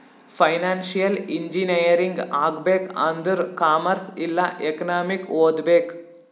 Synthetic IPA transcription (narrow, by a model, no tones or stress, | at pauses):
fɐɪnaːnsijɐlɪɲd͡ʒinɐjɐɾɪŋɡaːɡbeːkɐnd̪ɯɾkaːmɐɾsɪlːɐʔɛkɐnaːmɪkoːd̪beːk